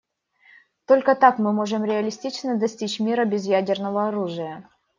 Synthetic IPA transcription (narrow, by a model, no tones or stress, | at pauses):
t̪olʲkət̪akmɨmo̞ʐɨmɾʲɪɐlʲɪsʲtʲit͡ɕnəd̪ɐsʲtʲit͡ɕmʲiɾəbʲɪzjædʲɪrnəvəɐɾuʐɨjə